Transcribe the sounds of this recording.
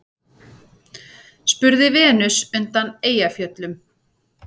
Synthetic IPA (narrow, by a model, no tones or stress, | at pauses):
spʏɾðɪvɛːnʏsʏnt̪aneːjafjœt̪lʏm